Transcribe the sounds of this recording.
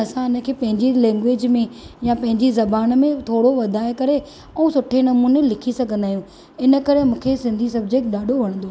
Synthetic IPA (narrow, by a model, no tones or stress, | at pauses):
ɐsãɪnə̆kʰeːpɐ̃ɦɪ̃ɲd͡ʑilɛ̃ːŋɡʋeːd͡ʑmẽjãpɐ̃ɦɪ̃ɲd͡ʑizɐbaːnmẽt̪ʰoːɽoʋɐd̪ʱaːekɐɾe | ɛũsʊʈʰenɐmuːnelɪkʰisɐɡʱə̃nd̪aːɦijũ | ɪnə̆kɐɾemũːkʰesɪ̃nd̪ʱisɐbd͡ʑeːk̚ʈɗaːɖʱoʋɐɽ̃ə̃nd̪oː